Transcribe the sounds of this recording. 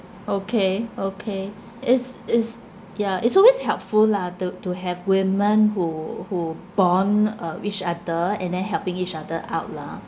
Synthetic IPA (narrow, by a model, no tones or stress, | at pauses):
okʰeokʰe | ɪsɪs | jaɪtsɔlweshɛlpfullatutuɦɛvwɪmə̃nhuhub̥ɔ̃nʌit͡ʃadəɛ̰̃ndɛ̃nɦɛlpɪ̃ŋit͡ʃadəʔa̰ʊt̚la